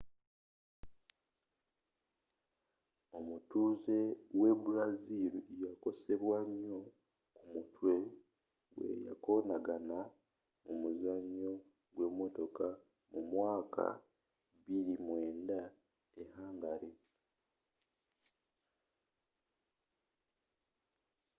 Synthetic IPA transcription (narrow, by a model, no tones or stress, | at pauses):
o̞mutuːze̞we̞buɾaziliejako̞se̞βwaɲjo̞ | kumutwe̞ | ɡwḛja̰ko̞naɡana | mumuzaɲːo̞ | ɡwe̞ːmo̞to̞ka | mumwaːkʰa̰ | βiɾimwe̞ːnda | ehaːŋɡaɾe